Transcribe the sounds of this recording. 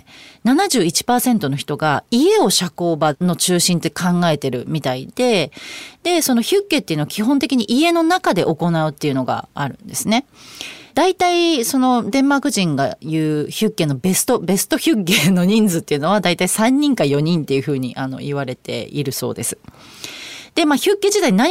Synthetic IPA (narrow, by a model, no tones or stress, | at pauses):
nanaʑɨːit͡ɕi̥paːsẽ̞nt̪o̞no̞çi̥t̪o̞ɡaie̞o̞ɕako̞ːbano̞t͡ɕɨːɕĩnt̪ekʰãŋɡae̞t̪e̞ɾɯ̟mʲit̪aid̪̥e̞d̪̥e̞so̞no̞çɨkːe̞ːt̪ːeɯ̟noḁkʲiɦõ̞nt̪e̞kʲiɲ̟iʔie̞no̞nakad̪e̞̰ʔo̞ko̞naɯ̟t̪ːe̞iɯ̟no̞ɡa̰aɾɯ̟̃nd̪e̞sɨne̞d̪̥ait̪aiso̞no̞d̪ẽ̞mːakɯ̟ʑĩŋɡa̰jɯ̟ːçɨkːe̞ːno̞be̞sɨ̥t̪o̞be̞sɨ̥t̪o̞çɨkːeno̞ɲ̟ĩnd͡zɨt̪ːe̞iɯ̟no̞β̞ad̪ait̪aisãɲ̟ːĩŋkajo̞ɲ̟ĩnt̪ːe̞jɯ̟ɸɯ̟ːɲ̟ḭʔano̞̰iβaɾe̞t̪e̞̰iɾɯ̟so̞̰ːd̪e̞sɨ̥ | d̪̥e̞maːçɨ̟kːe̞d͡ʑit̪aina